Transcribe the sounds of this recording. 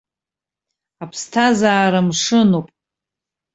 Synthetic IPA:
apʰstʰazaːɾamʂɨnopʼ

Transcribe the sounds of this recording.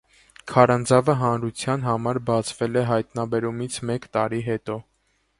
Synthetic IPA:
kʰɑɾɑnd͡zɑvəɦɑnɾut͡sʰjɑnɦɑmɑɾbɑt͡sʰvɛlɛɦɑjt̪nɑbɛɾumit͡sʰmɛkt̪ɑɾiɦɛt̪ɔ

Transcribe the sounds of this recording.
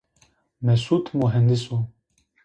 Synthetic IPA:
mɛsuːt̪ʰmuɦɛnd̪ɪsu

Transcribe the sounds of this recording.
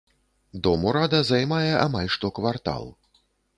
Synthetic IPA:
d̪ɔmuɾad̪ɐzajmajɛʔamalʲʂt̪ɔkvart̪a̰lˠ

